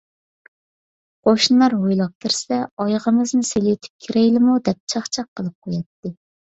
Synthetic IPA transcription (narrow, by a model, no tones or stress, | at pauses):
qʰoʃnɨlˠɑɾɦojlˠɑp̚k̪ʲʰɪɾsɛɑjʁəmɨznɪselet̪ʰɪ̥p̚kʲʰiɾɛjlɪmud̪ɛp̚t͡ʃʰɑχt͡ʃʰɑq̚ʰːəlˠɨp̚qʰojɑt̪ːɨ